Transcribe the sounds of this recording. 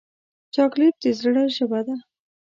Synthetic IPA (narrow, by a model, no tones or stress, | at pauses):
t͡ʃɑklep̚d̪ezɾəɽaʃabad̪a